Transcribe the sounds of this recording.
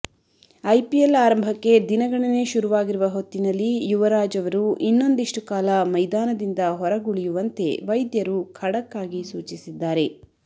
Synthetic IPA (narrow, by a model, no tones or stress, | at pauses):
ɐjpielaːɾɐmbʱɐkːe̞d̪inɐɡɐɳɐne̞ʃuɾuʋaːɡiɾuʋɐɦo̞t̪ːinɐlːijuʋɐɾaːd͡ʒɐʋɐɾuʔinːo̞nd̪iʂʈukaːlɐmɐjd̪aːnɐd̪ind̪ɐɦɔɾɐɡuɭijuʋɐnt̪e̞̰ʋɐjd̪jɐɾukʰɐɽɐkːaːɡisuːt͡ʃisid̪ːaːɾe̞